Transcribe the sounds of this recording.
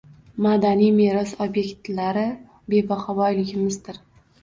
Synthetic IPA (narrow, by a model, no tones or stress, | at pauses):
mad̪anijme̞ɾɒsobje̞kʲt̪laɾɪ | be̞baχɒbɒjlɪɡʲɪmɪzd̪ɪɾ